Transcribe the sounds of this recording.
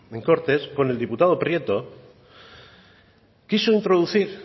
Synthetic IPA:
eŋko̞ɾt̪e̞sko̞ne̞ld̪iput̪að̞o̞pɾjet̪o̞ | kisoint̪ɾo̞ðuθiɾ

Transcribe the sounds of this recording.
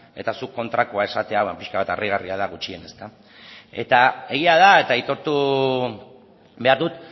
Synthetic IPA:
e̞t̪asukːo̞nt̪ɾakoae̞sat̪e̞aβapiʃkaβat̪arʔiɣ̞ariað̞aɣut͡ʃie̞ne̞st̪a | e̞̰t̪ae̞ɣiaðae̞t̪ait̪o̞ɾt̪u | be̞aɾðut̪

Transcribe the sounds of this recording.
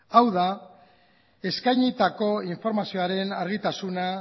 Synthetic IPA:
awða | e̞skajɲit̪ako̞iɱfo̞ɾmasio̞aɾe̞naɾɣit̪asuna

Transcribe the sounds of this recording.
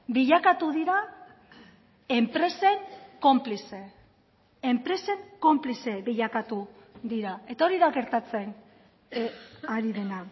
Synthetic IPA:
biʎakat̪uðiɾa | e̞mpɾe̞se̞ŋko̞mplise | empɾe̞se̞ŋko̞mplise̞biʎakat̪uðiɾae̞t̪ao̞ɾiðaɣe̞ɾt̪at͡se̞n | aɾiðe̞na

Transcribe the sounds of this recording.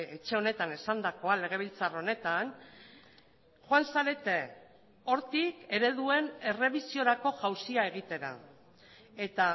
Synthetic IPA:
et͡ʃe̞o̞ne̞t̪ane̞sand̪ako̞ale̞ɣ̞e̞β̞ilt͡saro̞ne̞t̪an | xwansaɾe̞t̪e | o̞ɾt̪ike̞ɾe̞ðue̞ne̞re̞βisio̞ɾako̞ʝawsiae̞ɣ̞it̪e̞ɾa̰ | e̞t̪a

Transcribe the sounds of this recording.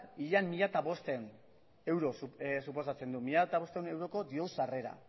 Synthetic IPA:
iʎanmiʎat̪aβo̞st̪en | e̞wɾo̞supo̞s̬at͡se̞nd̪umiʎat̪aβo̞st̪eune̞wɾo̞ko̞d̪io̞wsare̞ɾa̰

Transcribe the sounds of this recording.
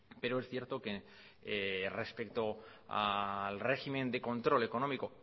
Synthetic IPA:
pe̞ɾoesθje̞ɾt̪o̞ke | re̞spe̞k̚t̪oa̰lre̞ximẽ̞nd̪e̞ko̞nt̪ɾo̞le̞ko̞nomiko

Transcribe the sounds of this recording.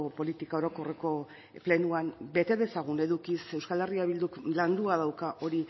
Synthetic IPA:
po̞lit̪ikaoɾo̞ko̞re̞ko̞ | ple̞nuambe̞t̪e̞ðe̞saɣ̞une̞ðukise̞wskale̞riaβild̪ukland̪uað̞awkaʔo̞ɾi

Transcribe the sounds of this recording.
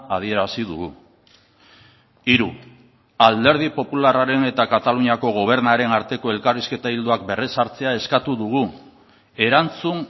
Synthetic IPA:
aðie̞ɾasiðuɣu | iɾu | ald̪e̞ɾð̞ipo̞pularaɾe̞ne̞t̪akat̪aluɲiako̞ɣ̞o̞β̞e̞ɾnaɾe̞naɾt̪e̞ko̞e̞lkariske̞t̪aild̪uak̚be̞resaɾt͡se̞ae̞skat̪uðuɣ̞u | e̞ɾant͡sun

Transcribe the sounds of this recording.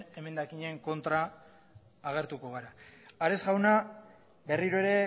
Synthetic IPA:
e̞me̞nd̪akiɲe̞ŋko̞nt̪ɾaː | ɣ̞e̞ɾt̪uko̞ɣaɾaaɾe̞sɣawna | be̞riɾoe̞ɾe̞

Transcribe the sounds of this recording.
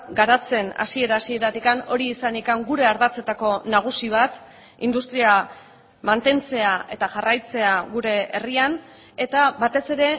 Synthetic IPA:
ɡaɾat͡se̞na̰sie̞ɾaːsie̞ɾat̪ikano̞ɾiːsanikaŋɡuɾe̞aɾðat͡se̞t̪ako̞naɣ̞usiβ̞at̪ | ḭnd̪ust̪ɾia | mant̪e̞nt͡se̞aʔe̞t̪aʝarajt͡se̞aɣuɾe̞ḛrian | e̞t̪aβat̪e̞se̞ɾe̞

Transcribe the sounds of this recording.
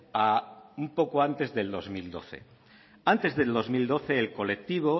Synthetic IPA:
aumpo̞koant̪e̞zðe̞ld̪o̞zmild̪o̞̰θe̞̰ | ant̪e̞zðe̞ld̪o̞zmild̪o̞θeːlko̞le̞k̚t̪iβ̞o̞

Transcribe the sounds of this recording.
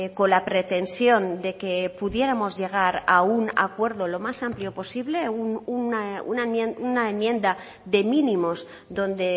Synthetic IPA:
ko̞nlapɾet̪e̞nsjo̞nd̪e̞ke̞puðje̞ɾamo̞zʝe̞ɣ̞aɾauna̰kwe̞ɾðo̞lo̞masampljo̞po̞siβle̞nnaṵnaunaemjẽ̞nd̪a | ðe̞mĩnĩmo̞s | ðo̞nd̪e̞

